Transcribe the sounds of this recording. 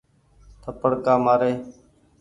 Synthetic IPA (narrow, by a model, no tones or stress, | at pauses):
t̪ʰəpəɽkaːmaːɾeː